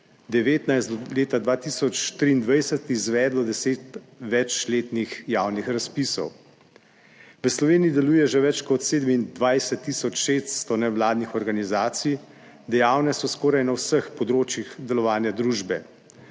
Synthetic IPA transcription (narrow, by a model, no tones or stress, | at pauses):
d̪ɛʋeːt̪najst̪d̪ɔleːt̪ad̪ʋaːt̪isɔt͡ʃt̪ɾiːnd̪ʋajsɛt̪izʋɛːd̪lɔd̪ɛseːt̪ | ʋɛt͡ʃleːt̪nixjaːwnixɾaspiːsɔ̰w | ʋəslɔʋeːnijid̪ɛluːjɛʒɛʋɛt͡ʃkɔt̪seːd̪əmind̪ʋajsɛt̪ːisɔt͡ʃʃeːst̪st̪ɔnɛʋlaːd̪nixɔɾɡanizaːt̪sij | d̪ɛjaːwnɛsɔskɔːɾajnawsəxpɔd̪ɾoːt͡ʃjixd̪ɛlɔʋaːnjad̪ɾuːʒbɛ